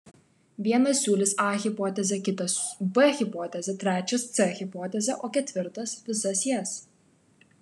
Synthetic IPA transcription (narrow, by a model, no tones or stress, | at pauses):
ʋʲiɛnɐssʲuːlʲɪsɑːɣʲɪpɔːt̪ʲɛzʲɛkʲɪt̪ɐsbɛɣʲɪpɔːt̪ʲɛzʲɛt̪ʲɾʲæːt͡ʃʲɛst̪sɛɣʲɪpɔːt̪ʲɛzʲɛʔoːkʲɛt̪ʲʋʲɪɾt̪ɐsʋʲɪsɐsjɛs